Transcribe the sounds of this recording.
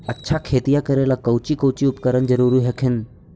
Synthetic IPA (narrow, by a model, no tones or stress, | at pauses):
ɐtːʃʰakʰeːt̪ijakɐɾelakɐwt͡ɕikɐwt͡ɕiʊpkəɾənzɐɾuːɾiɦɐkʰɪn̆